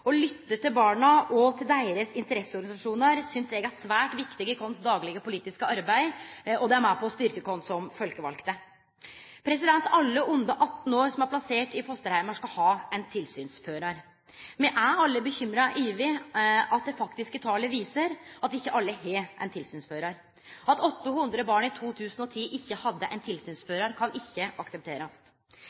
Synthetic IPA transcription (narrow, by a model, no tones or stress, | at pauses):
ɔlʏt̪ːət̪ʰɪlbɑːɳɑʔɔt̪ʰɪld̪æɪəɾəsɪnt̪əɾɛsːəɔɾɡɑɪsɑʂuːnəɾsʏnsɛːɡəæsʋæːʈʋɪkt̪ɪɡəkʰɔnsd̪ɑːɡlɪɡəpʊliːt̪ɪskəɑɾbæɪɔd̪ɛæɾmæɪpʰɔst̪ʏɾkəkʰɔnsɔmfœlkəʋɑ̰lkt̪ə | pʰɾɛsɪd̪ɛnt̪ɑlːəʔʊnd̪ɑʔɑt̪ːn̩oːɾsɔmæɾpʰlɑseːʈɪfʰɔst̪əɾhæɪmɑʂkɑlhɑːɛnt̪ʰɪlsyːnsføːɾɑɾ | mɛʔæɑlːəbəçʏmɾɑʔiːʋeʔɑt̪̚d̪ɛfɑkt̪ɪskət̪ʰɑːləʋiːsəɾɑt̪ɪçːəʔɑlːəhɛːʔɛ̰nt̪ʰɪlsyːnsføːɾɑɾ | ɑt̪ɔt̪ːəhʉnd̪ɾəbɑːɳɪt̪ʰuːt̪ʰʉːsn̩ɔt̪ʰiːʔɪçːəhɑd̪ːəʔɛnt̪ʰɪlsyːnsføːɾɑɾkʰɑnʔɪçːəʔɑksəp̚t̪ʰeːɾɑst̪